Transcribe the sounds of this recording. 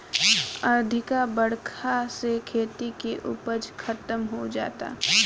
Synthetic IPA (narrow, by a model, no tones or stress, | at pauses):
ɐɾd̪ʱɪkabəɽ̤kʰasekʰeːt̪ikeʔʊ̰pəd͡ʒkʰɐt̪əmɦod͡ʒa̰ːt̪a̰ː